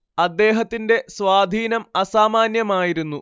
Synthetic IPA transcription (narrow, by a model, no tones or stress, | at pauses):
ɐd̪ːe̞ːɦɐt̪ːinde̞swaːd̪ʱiːnɐmɐsaːmaːnjɐmaːjiɾunːu